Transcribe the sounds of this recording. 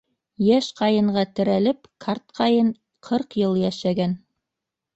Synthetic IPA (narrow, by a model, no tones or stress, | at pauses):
jæʃqɑjɤ̆ɴɢɑt̪ɘ̆ɾælɘpkʰart̪̚qʰɑjɤɴ | qʰɤɾqjɤlˠjæʃæɡæn